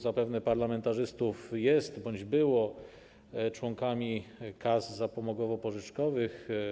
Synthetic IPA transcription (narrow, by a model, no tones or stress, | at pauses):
zapɛvnɛpaɾlamɛnt̪aʐɘst̪ufjɛst̪bɔɲd͡ʑbɘwɔ | t͡ʂwɔŋkamʲikazzapɔmɔɡwɔvɔpɔʐɘt͡ʂkɔvɘx